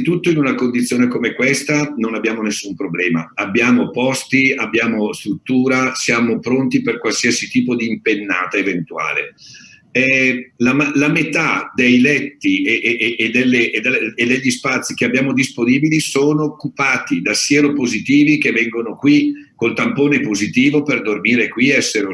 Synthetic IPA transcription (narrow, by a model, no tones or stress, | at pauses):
it̪ut̪ːoinunakond̪it̪sːjoːnekomekwest̪anonabːjaːmonesːumpɾoblɛːma̰abːjaːmopɔst̪iabːjaːmost̪ɾut̪ːuːɾasjaːmopɾont̪iperkwalsiasit̪iːpod̪iːmpenːa̰ːt̪aevent̪ua̰ːlḛ | ɛlamlamet̪ad̪ejlɛt̪ːiʔʔʔed̪elːeːd̪eed̪ːeʎːispat̪sːik̟eabjaːmod̪isponiːbilisoːnoːkːupaːt̪id̪asːjɛːɾopozit̪iːvik̟evːɛŋɡonokwi | kolt̪ampoːnepozit̪iːvoperd̪ormiːɾekwiɛsːeɾo